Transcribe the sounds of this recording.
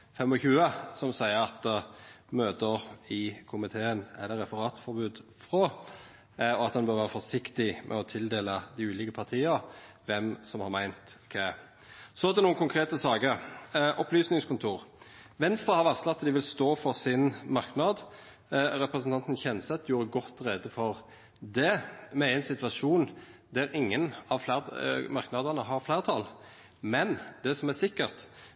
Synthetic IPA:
fɛmɔçʉːəsɔmsæɪəɾɑt̪ | møːt̪əɾɪkʰʊmɪt̪ʰeːənɛ̰d̪ɛɾɛfəɾɑːt̪fɔɾbʉːd̪fʁo | ɔɑt̪hɑnbœɾʋæːʁəfɔʂɪkt̪ɪmʔɛ̰ɔt̪ʰɪld̪eːləd̪ɪʉːlɪkəpʰɑʁt̪ʰiːəɾ | ʋɛmsɔmhɑɾmæɪnt̪kʰɛ | sɔæd̪ɛnuːənkʰʊŋkʰɾeːt̪əsɑːɡəɾʔɔplyːsnɪŋskʰʊnt̪ʰuːʁʋɛnst̪ɾɑhɑɾʋɑʁslɑt̪ːd̪ɪʋɪlst̪oːfɔɾsɪnmɑɾknɑd̪ | ɾɛpɾɛsənt̪ʰɑnt̪n̩çɛnːəsɑt̪d̪juːɾəɡɔt̪ːɾɛd̪əfɔɾ | d̪ɛmɛɾɪnsɪt̪ʋɑʂuːnd̪æɾɪŋːənɑʋflæmɑʁknɑd̪ənəɦɑɾflæːʁt̪ʰɑl | mɛnd̪̥ɛsɔmæsɪkːəʁt̪

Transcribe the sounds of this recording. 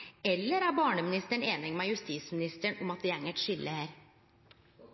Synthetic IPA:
ɛlːəɾæːɾbɑːɳəmɪnɪst̪əɳeːnɪŋmeːjʉst̪iːsmɪnɪst̪əɳʊmɑt̪̚d̪ɛæŋːəʈ̪ʂʏlːəhæːɾ

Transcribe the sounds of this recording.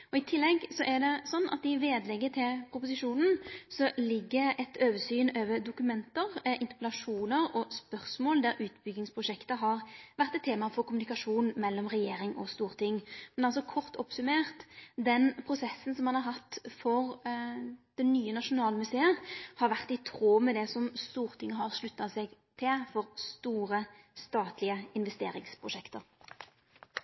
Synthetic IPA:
ɔɪt̪ʰɪlːɛɡsɔʔɛɾd̪ɛsɔnːʔɑ̰t̪ɪʋeːd̪lɛɡːət̪ʰɪlpʰɾʊpʊsɪʂuːnn̩sɔlɪɡːəɛt̪øːʋəsyːnøːʋəɾd̪ʊkʉmɛnt̪əɾʔɪ̰nt̪ə̥pəlɑʂuːnəɾɔspœʁsmoːld̪æɾʔʉːt̪bʏɡnɪŋspʰʁʊʂɛkt̪əɦɑɾʋæʁt̪ɛt̪ʰːeːmɑfɔɾkʊmʉnɪkɑʂuːnmɛlːɔmʁɛjeːɾɪŋʔɔst̪uːʁt̪ʰɪŋːmɛnɑlsɔkʰɔʁt̪ɔpsʉmeːʁt̪d̪ɛnpʰʁʊsɛsːn̩sɔmhɑnhɑɾɦɑt̪ːfɔʁ | d̪̥ɛnnyːənɑʂʊnɑːlmʉseːəhɑɾʋæʁt̪ɪt̪ʰʁoːmɛd̪ɛsɔmst̪uːʁt̪ʰɪŋːəɦɑʁʂlʉt̪ːɑsɛɡt̪ʰɪlfɔʁst̪uːɾəst̪ɑːt̪lɪəɪnʋɛst̪ḛːɾɪŋspʰʁʊʂɛkt̪əʁ

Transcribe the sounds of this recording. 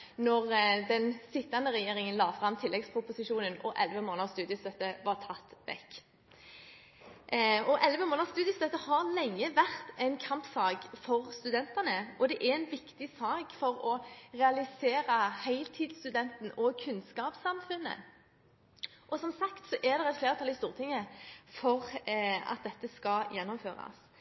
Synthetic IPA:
nɔʁd̪ɛnsɪt̪ːɑnd̪əʁɛjeːɾɪŋənlɑːfʁɑmt̪ʰɪlːɛɡspʰɾʊpʊsɪʃuːnənɔʔɛlʋəmoːnəst̪ʉːd̪jəst̪œt̪ːəʋɑʁt̪ʰɑt̪ːʋɛ̰kː | ɔʔɛlʋəmoːnɑʁst̪ʉːd̪jəst̪œt̪ːəhɑʁlɛŋːəʋæʁt̪ɛɪnkʰɑmpsɑːɡfɔʁst̪ʉd̪ɛnt̪ɑnəʔɔd̪ɛʔæɾɛɪnʋɪkt̪ɪsɑːɡfɔʁɔʁɛɑlɪseːɾəhæɪlt̪ʰiːd̪st̪ʉd̪ɛnt̪n̩ɔɡkʰʉnskɑːpsɑmfʉnːə̰ | ʔɔsɔmsɑkt̪sɔʔɛʁd̪ɛʁɛt̪fleːʁt̪ʰɑlɪst̪uːʁt̪ʰɪŋːəfɔʁɑ̰t̪̚d̪ɛt̪ːəskɑjɛnːɔmfø̰ːʁɑ̰s

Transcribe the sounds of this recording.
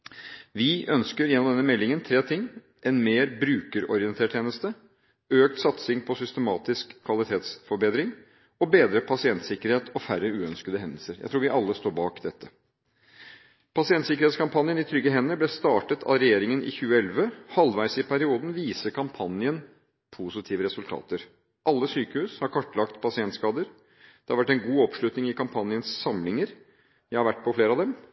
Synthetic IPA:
ʋɪʔœnskəɾjɛnːɔmd̪ɛnəmɛlːɪŋənt̪ʰɾeːt̪ʰɪŋː | ʔɛnmeːɾbɾʉːkəɾɔɾɪənt̪ʰeːʈʰjeːnəst̪ə | øːk̚t̪sɑt̪sɪŋpʰɔsʏst̪əmɑːt̪ɪskʰːʋɑlɪt̪ʰeːt̪sfɔɾbeːd̪ɾɪŋ | ɔbeːd̪ɾəpʰɑsɪɛnt̪sɪkəɾheːt̪ʰɔfærəʉːœnskəd̪əɦɛnd̪əlsəɾjæ̰ɪt̪ɾuːʋɪʔɑlːəst̪oːɾbɑːkd̪ɛt̪ʰːə | pɑsɪɛnt̪sɪkəɾhet̪skʰɑmpʰɑnjənɪt̪ʰɾʏɡːəɦɛnːəblɛst̪ɑːʈət̪ʰɑ̰ɾɛjeːɾɪŋənʔɪ̰çʉːəɛlʋəhɑlʋæɪsɪpʰæɾɪuːd̪n̩ʋiːsəkʰɑmpʰɑnjən | pʰusɪt̪ʰiːʋəɾɛsʉlt̪ʰɑ̰ːt̪əɾ | ʔɑlːəsyːkəhʉːshɑɾkʰɔʈːlɑkt̪pʰɑsɪɛnt̪skɑːd̪əɾ | d̪̥ɛhɑɾʋæʈːɛnɡuːɔpʂɭʉt̪nɪŋɪkʰɑmpʰɑnɪənsːɑmlɪŋəɾ | jæɪhɑɾʋæʈːpʰɔfleːɾɑd̪ɛm

